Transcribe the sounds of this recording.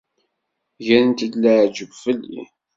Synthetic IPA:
ʝænənt̪əd̪læʕd͡ʒəɡʷfəlːḭ

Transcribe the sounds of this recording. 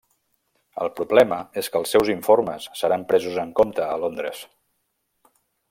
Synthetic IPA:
ə̰lˠpɾuβlɛməeskəlˠsːɛwziɱforməsːəɾampɾɛzuzəŋkomt̪əːlond̪ɾəs

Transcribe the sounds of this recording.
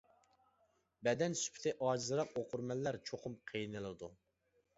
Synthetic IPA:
bɛd̪ɛnsy̥pʰt̪ʰɪʔɑːd͡ʒizɨɾɑqoqʊɾmɛlːæɾt͡ʃʰoqʰʊmqʰejnɨlˠɨd̪u

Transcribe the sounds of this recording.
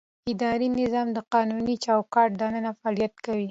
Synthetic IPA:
ɪd̪ɑɾinɪzɑmd̪əqɑnunit͡ʃɑwkɑʈ̚d̪ɑnənafaːlijat̪kawi

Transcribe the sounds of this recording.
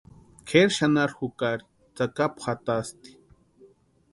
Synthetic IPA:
kʰeɾʃanaɾxukaɾi̥ | t͡sakapχat̪ast̪i̥

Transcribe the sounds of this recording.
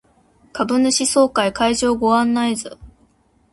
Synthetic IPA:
kabɯ̟nɯ̟ɕiso̞ːkaikaiʑo̞ːɡo̞ãnːaizɨ̰

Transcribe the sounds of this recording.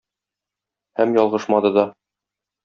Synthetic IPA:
hæmjɒlˠʁɤʃmɑd̪ɤd̪ɒ

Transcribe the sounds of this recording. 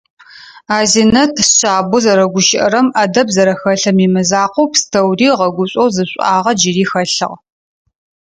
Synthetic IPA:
aːzinɐtʰsɕʼaːbʊzɐɾɐɡʷʊʃɪʔɐ̰ɾɐmʔɐdɐbzɐɾɐxɐɬɐmiːmɨzaːqʷʊpstʰɐwriːʁɐɡʷʊɕʼowzɨɕʷʼɑːʁɐd͡ʒɪɾiːxɐɬɨ̰ʁ

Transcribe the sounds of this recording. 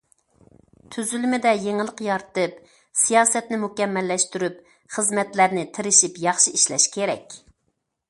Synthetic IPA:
t̪ʰyzylymɪd̪ɛjeŋɨlˠəqjɑɾt̪ɨp | sijɑːsɛt̪nɪmukʲɛmːɛlːɛʃt̪yɾyp | χəzmɛt̪læɾnɪt̪ʰɪɾɪʃipjɑχʃiiʃlɛ̰ʃkʲʰeɾɛ̰kʲ

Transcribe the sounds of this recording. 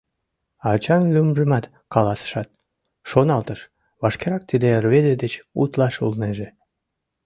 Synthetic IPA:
ɑt͡ɕɑnlymʒəmɑt̪ | kɑlɑsə̥ʃɑt̪̚ | ʃonɑlt̪əʃ | βɑʃkeɾɑk̚t̪id̪erβed̪ed̪et͡ɕṵt̪lɑʃṵlneʒe

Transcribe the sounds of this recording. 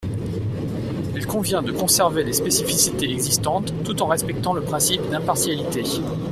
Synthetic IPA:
ilkɔ̃vjɛ̃d̪əkɔ̃sɛʁvelespesifisit̪eɛɡzist̪ɑ̃t̪ːut̪ɑ̃ʁɛspɛk̚t̪ɑ̃ləpχɛ̃sipd̪ɛ̃paʁsjalit̪e

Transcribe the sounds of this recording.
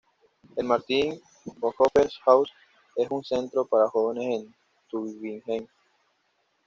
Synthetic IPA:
elmaɾt̪iŋ | boŋxopeɾsxaws | esunse̞nt̪ɾopaɾaxo̞βenesen | t̪uβiŋxeŋ

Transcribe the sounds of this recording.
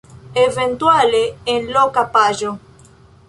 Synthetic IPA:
evẽnt̪waleenlokapaʒo

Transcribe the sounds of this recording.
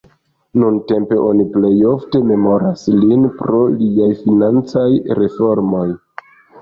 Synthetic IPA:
nunte̞mpe̞ʔo̞niple̞jo̞fte̞me̞mo̞ɾaslinpɾo̞liajfinant͡sajɾe̞fo̞ɾmo̞j

